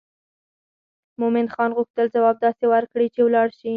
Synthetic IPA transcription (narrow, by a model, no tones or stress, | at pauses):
mʊmɪnxɑnɣuxt̪əlzawɑb̚d̪ɑsewaɾkɽit͡ʃewlɑɽʃi